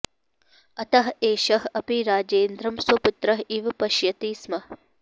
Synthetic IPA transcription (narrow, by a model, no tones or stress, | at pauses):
ɐt̪ɐɦeːʃɐɦɐpiɾaːd͡ʒeːnd̪ɾɐmswɐput̪ɾɐɦiʋpɐʃjɐt̪iːsmɐɦ